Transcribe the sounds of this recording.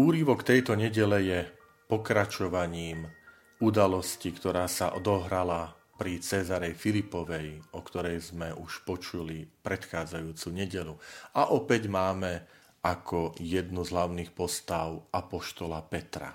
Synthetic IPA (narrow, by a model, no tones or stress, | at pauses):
uːɾiʋɔkt̪ɛjt̪ɔɲɛɟɛlɛjɛ | pɔkɾat͡ʃɔʋaɲiːm | ud̪alɔscikt̪ɔɾaːsa̰ʔɔd̪ɔɦɾala | pɾit͡sɛzaɾɛjfilipɔʋɛjʔɔkt̪ɔɾɛjzmɛʔuʃpɔt͡ʃulipɾɛt̪xaːd͡zajuːt͡suɲɛɟɛluaʔɔpɛɟmaːmɛ | akʰɔjɛd̪nuzɦlaʊniːxpɔst̪aʊʔapɔʃt̪ɔlapɛt̪ɾa̰